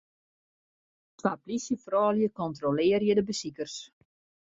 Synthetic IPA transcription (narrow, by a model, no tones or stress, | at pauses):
tʋaplisjəfrɔːljəkɔntrolɪːrjədəbəsikərs